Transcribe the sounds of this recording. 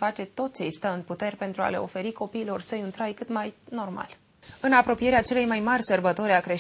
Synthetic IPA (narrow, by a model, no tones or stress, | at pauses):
fat͡ʃe̞t̪o̞t̪̚t͡ʃe̞jst̪əɨnput̪e̞rʲpe̞nt̪ɾua̰le̞o̞̰fe̞ɾiko̞piːlo̞rsəjunt̪ɾajkɨt̪majno̞rma̰l | ɨnapɾo̞pije̞ɾeat͡ʃe̞le̞jmajmarʲsərbət̪o̞ɾʲakɾe̞ʃ